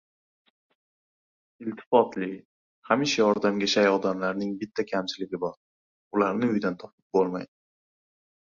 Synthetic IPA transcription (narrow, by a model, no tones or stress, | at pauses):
ɪlt̪ʰɪ̥fɒt̪lɪ | hamɪʃajɒɾd̪amɡʲaʃajɒd̪amlaɾnɪŋbɪt̪ʰːakʲʰamt͡ʃʰɪlɪɡʲɪbɒɾ | ʊlaɾnɪʊjd̪ant̪ʰɒpɪp̚bolˠmajd̪ɪ